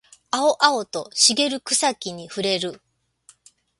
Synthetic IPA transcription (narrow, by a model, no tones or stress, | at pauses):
ao̞ʔao̞t̪o̞ɕiɡe̞ɾɯ̟kɯ̟̥sakʲiɲ̟iɸɯ̟ɾe̞ɾɯ̟